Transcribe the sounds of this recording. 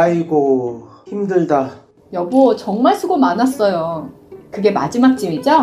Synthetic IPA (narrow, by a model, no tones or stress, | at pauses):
aiɡo | çimdɯɭda | jʌbot͡ɕʌŋmaɭsʰuɡomanas͈ʌjo | kɯɡe̞ma̰d͡ʑimak̚t͡ɕ͈imid͡ʑo